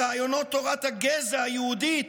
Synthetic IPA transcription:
aajonot̪ːoʁat̪haɡezaajɛhud̪it̪

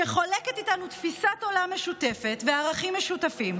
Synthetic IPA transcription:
eχo̞le̞ket̪itanut̪fisato̞lame̞ʃute̞fe̞tveaːʁaχimːeʃutafim

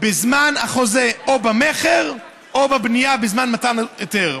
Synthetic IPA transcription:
bɪzmanaχɔzɛobamɛχɛʁ | obabnijabɪzmanmatanjotɛʁ

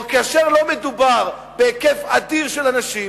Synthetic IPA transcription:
kaaʃeʁlo̞medubaʁ | beekefad̪iʁʃelanaʃi

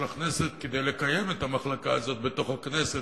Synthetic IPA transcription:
lakneset̪ked̪ejlekajemet̪amaχlakaazo̞t̪̚bet̪o̞χhaknese

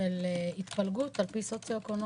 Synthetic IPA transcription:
eleit̪palɡut̪alpisot͡sjoekon

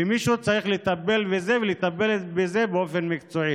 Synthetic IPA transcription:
imiʃut͡saʁiχlet̪abe̞lbeze̞velet̪abe̞lebeze̞beo̞fe̞nmikt͡soi

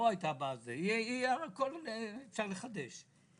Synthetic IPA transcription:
oajt̪abaːzeiaakolt͡saleχad̪eʃ

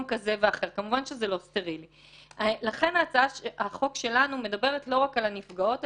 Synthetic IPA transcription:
mkazeveaχe̞ʁkamuvanʃezelo̞steʁili | alaχe̞naːt͡saaʃaχo̞kʃe̞lanume̞dabe̞ʁetlo̞ʁakalanifɡao̞t

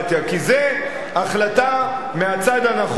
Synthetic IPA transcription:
t̪akize | aχlat̪a | meat͡sad̪anaχ

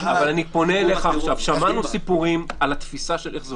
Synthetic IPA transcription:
avalanipo̞neːleχaːχʃavʃamanusipuʁimalat̪fisaʃeleχz

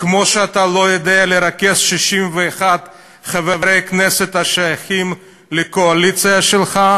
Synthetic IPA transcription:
kmo̞ʃeat̪alo̞jod̪ealeɾakesʃiʃimveːχad̪ | χavevɾejkneset̪haʃajaχim | lekoalit͡sijaʃelχa

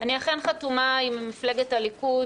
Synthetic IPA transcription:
aniaχenχatumaimːifleɡetaliku

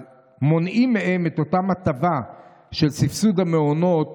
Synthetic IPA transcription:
mo̞nʔimːeheme̞t̪o̞tamhat̪ava | ʃelt͡sifsudhameono̞t

